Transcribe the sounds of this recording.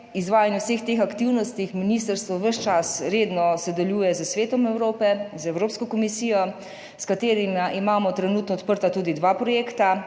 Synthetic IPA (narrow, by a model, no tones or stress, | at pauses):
izʋaːjanjɛwsext̪eːxakt̪iwnɔst̪ixminiːst̪əɾst̪ʋɔʋəʃt͡ʃasɾeːd̪nɔsɛd̪ɛljuːjɛzəsʋeːt̪ɔmɛwɾoːpɛzɛwɾoːpskɔkɔmisijɔ | skat̪eːɾimaʔimaːmɔt̪ɾɛnuːt̪nɔt̪pəɾt̪at̪uːd̪id̪ʋaːpɾɔjeːkt̪a